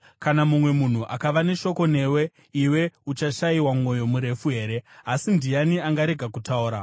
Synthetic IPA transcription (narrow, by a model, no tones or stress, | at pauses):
kanamumwe̞mun̤uʔakaʋane̞ʃo̞ko̞ne̞ːwe̞ | iwe̞ut͡ʃaʃaiwamwo̞jo̞muɾe̞fuɦe̞ːɾe̞asindijaniaŋɡaɾe̞ɡʱakutauːɾa